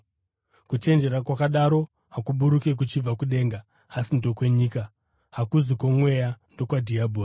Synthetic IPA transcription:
kut͡ʃe̞nd͡ʒe̞ɾakwakaɗaɾo̞ | ɦakuɓuɾuke̞k̬ut͡ʃib͡vakuɗe̞ːŋɡaː | sindo̞kwe̞ɲiːka | ɦakuzikwomwe̞jando̞kwadʱiabʱoːr

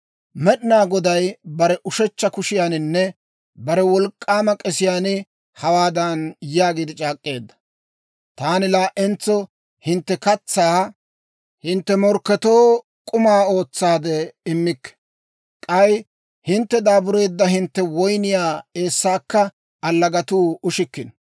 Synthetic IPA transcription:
mɛɗɪnaːɡɔd̪ɐjbɐɾɛʔʊʃɛt͡ʃːɐkʊʃɪjaːnɪnːɛ | bɐɾɛwɔlkʼːaːmɐkʼɛsɪjaːnɪ | hɐwaːd̪ɐnjaːɡiːd̪ɪt͡ʃʼaːkʼːe̞ːd̪ːɐ̥ | t̪aːnɪlaːʔɛnt͡sːɔ | hɪnt̪ːɛkɐt͡sːaː | hɪnt̪ːɛmɔɾkːɛt̪o̞ː | kʼʊmaːo̞ːt͡sːaːd̪ɛɪmːɪkːɛ̥ | kʼɐj | hɪnt̪ːɛd̪aːbʊɾe̞ːd̪ːɐhɪnt̪ːɛwɔjnɪjaːe̞ːsːaːkːɐ | ɐlːɐɡɐt̪uːʊʃɪkːɪn

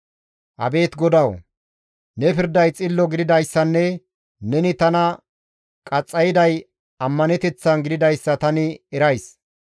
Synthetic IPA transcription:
ʔɐ̰be̞ːt̪ɡɔd̪ɐw | nɛpɪɾd̪ɐjt͡sʼɪlːɔɡɪd̪ɪd̪ɐjsːɐnːɛ | nɛnɪt̪ɐnɐ | kʼɐt͡sʼːɐjɪd̪ɐj | ɐmːɐnɛt̪ɛt͡sːɐnɡɪd̪ɪd̪ɐjsːɐt̪ɐnɪɛɾɐjs

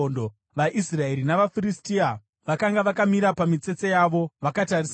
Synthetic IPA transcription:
ndo | ʋaʔisrae̞ɾinaʋafiristia | ʋakaŋɡaʋakamiɾapamit͡se̞t͡sejaːʋo̞ʋakataris

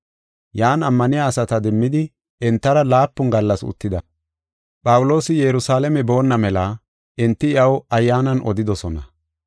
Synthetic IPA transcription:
jaːnɐmːɐnɪjaːsɐt̪ɐd̪ɛmːɪd̪ɪ | ɛnt̪ːɐɾɐlaːpːʊnɡɐlːɐsʊ̰t̪ːɪd̪ɐ | pʼɐwʊlo̞ːsɪjɛɾʊsaːlɛmɛbo̞ːnːɐmɛlɐ | ɪnt̪ːɪɪjɐwɐjːaːnɐnʔɔ̰d̪ɪd̪ɔsɔnɐ

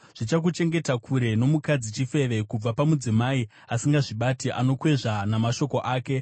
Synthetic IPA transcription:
ʐ̥it͡ʃak̬ut͡ʃe̞ŋɡe̞takʰuɾe̞no̞mukad͡zit͡ʃife̞ʋe̞kub͡vapamud͡zimai | asiŋɡaʐiɓatiʔano̞kwe̞ʐanamaʃo̞ko̞ʔaːke̞

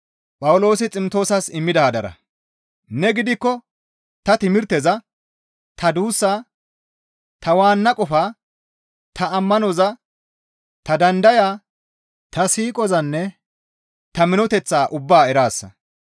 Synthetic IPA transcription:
pʼɐwʊlo̞ːsɪt͡sʼɪmt̪o̞ːsɐsɪmːɪd̪ɐhɐd̪ɐɾɐ̰ | nɛɡɪd̪ɪkːɔ | t̪ɐt̪ɪmɪɾt̪ɛzɐ | t̪ɐd̪uːsːaː | t̪ɐwaːnːɐkʼɔfaː | t̪ʰɐːmːɐnɔzɐ | t̪ɐd̪ɐnd̪ɐjaː | t̪ɐsiːkʼɔzɐnːɛ | t̪ɐmɪnɔt̪ɛt͡sːaːʔʊbːaːɛɾaːsːɐ̰

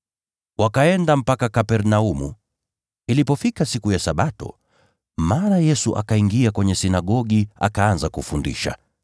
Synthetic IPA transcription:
wakaɛndam̩pakakapɛɾnaumṵ | ilipɔfikasikujasaɓatɔ̰ | maːnajɛsuʔa̰kaiŋɡiakwɛɲɛsinaɠɔɠia̰kaanzakufundḭʃa̰

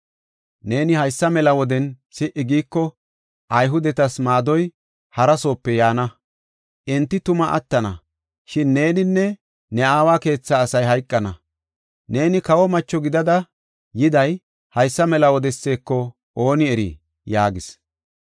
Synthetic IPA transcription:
ne̞ːnɪhɐjsːɐmɛlɐwɔd̪ɛn | sɪʔɪɡiːkːɔ | ʔɐjɦʊd̪ɛt̪ɐsmaːd̪ɔj | hɐɾɐso̞ːpːɛjaːnɐ | ʔɛnt̪ːɪt̪ʊmɐʔɐ̰t̪ːɐnɐ | ʃɪnːe̞ːnɪnːɛ | nɛaːwaːke̞ːt͡sːaːsɐjɦɐjkʼːɐnɐ | ne̞ːnɪkɐwɔmɐt͡ʃːɔɡɪd̪ɐd̪ɐ | jɪd̪ɐj | hɐjsːɐmɛlɐwɔd̪ɛsːe̞ːkːɔ | ʔoːnɪɛɾḭ | jaːɡɪs

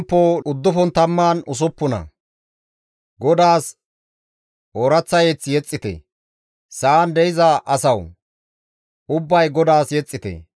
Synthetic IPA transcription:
pːoːʊd̪ːʊfɔnt̪ɐmːaːnʊs̬ʊpːʊnɐ̰ | ɡɔd̪aːs | oːɾɐt͡sːɐjet͡sːjɛt͡sʼːɪt̪ɛ̰ | saːnd̪ɛjɪzɐʔɐsɐw | ʊbːɐjɡɔd̪aːsjɛt͡sʼːɪt̪ɛ̰

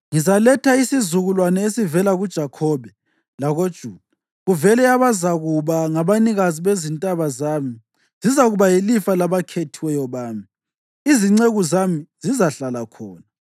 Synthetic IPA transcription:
ŋizalɛtʰaisizuɣulwanɛesivɛlaɣud̥ʒ̥ʱakʰɔβɛ | laɣod̥ʒ̥ʱuːd̥̚a | ɣuvɛlɛjaβazaɣuβaŋaβaniɣaziβezintʼaβazaːmi | zizaɣuβajilifalaβakʰetʰiwɛjɔβaːmi | iziŋ͡ǀeɣuzamiz̥izaɬalakʰɔːna

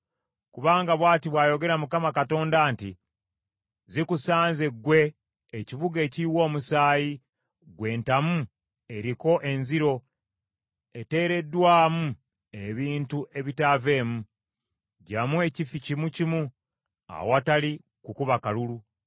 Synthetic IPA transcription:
kuβaːŋɡaβwaːtiβwaːjo̞ɡe̞ɾamukamakato̞ːndaːnti | zikusaːnzeɡwe̞ː | ciβuɡe̞ːciwo̞ːmusaːji | ɡwe̞ːntamu | e̞ɾiko̞ʔe̞nziɾo̞ | ete̞ːɾe̞dːwaːmu | e̞βiːntuʔe̞βitave̞ːmu | ɟamue̞cificimucimu | a̰watali | kukuβakalulu

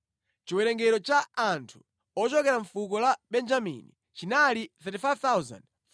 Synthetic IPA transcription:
t͡ʃiwɛɾɛŋɡɛɾɔt͡ʃaantʰu̥ | ɔt͡ʃɔkɛɾaɱfuk̬ɔlaɓɛnd͡ʒamḭni | t͡ʃinaliθɛtifajvt̪auza̰nd

